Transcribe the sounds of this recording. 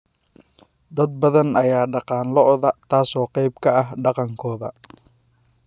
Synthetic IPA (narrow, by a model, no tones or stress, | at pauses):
d̪ɐd̪̚bɐðɐnɐjaːɖɑqɑːnlɔʔðɐt̪ʰaːsɔːqɛjbkʰɐɐɦɖɑqɑŋkʰɔːðɐ̰